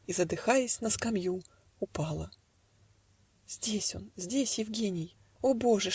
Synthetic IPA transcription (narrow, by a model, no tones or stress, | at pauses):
izəd̪ɨxajɪsʲnəskɐmju | ʊpɑlˠə | z̥ʲdʲesʲo̞̰nzʲdʲesʲjɪvɡʲenʲɪj | obo̞ʐɨ